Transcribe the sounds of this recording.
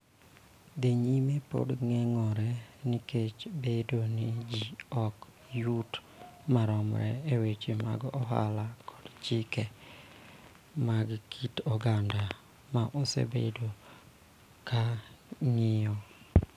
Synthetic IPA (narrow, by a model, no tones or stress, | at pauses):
d̪eɲimepo̰dŋɛŋɔɾɛnɪket͡ʃbedonɪd͡ʒiɔk | jut | maɾɔmɾɛ̰ewet͡ʃema̰ɡɔɦa̰lakʰɔ̥dt͡ʃɪkɛ | maɡkʰitɔɡanda | maʔosḛbḛdo | kaŋɪɔ